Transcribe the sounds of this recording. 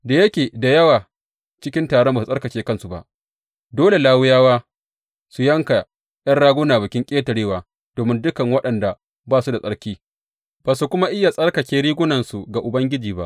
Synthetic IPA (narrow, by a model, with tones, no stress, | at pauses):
da˨jɐ˦kʲeː˨da˨jɐ˦waː˨ | t͡ʃɪ˦kʲɪ˦ntaː˨ɽɔ˦mba˨u˨sʼɐ˦kɐ˨t͡ʃeː˦kɐ˦nsu˨ba̰˨ʔ | doː˦le˨laː˦wʊ˦jaː˦waː˦ | su˨jɐ˦ŋka˨ | j̰ɐ˦nɽaː˦ɡʷʊ˦naː˨bʊ˨kʲɪ˦ŋkʲʼeː˦tɐ˨ɽeː˦waː˨ | d̥oː˨mɪ˦ndʊ˦kɐ˨ŋwɐ˦ɗɐ˨nda˨ | baː˦˨su˦da˨sʼɐ˦ɽkʲiː˦ | b̥aː˨su˨kʷʊ˦ma˦ʔɪ˦ja˨sʼɐ˦ɽkɐ˨t͡ʃʲeː˦ɽiː˦ɡʷʊ˦nɐ˨nsu˨ɡa˨ʔʊ˨bɐ˦ŋɡʲɪ˦d͡ʒiː˨ba̰˦ʔ